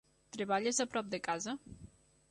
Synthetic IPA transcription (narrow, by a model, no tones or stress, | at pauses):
t̪ɾeβaʎezapɾɔp̚d̪əkaza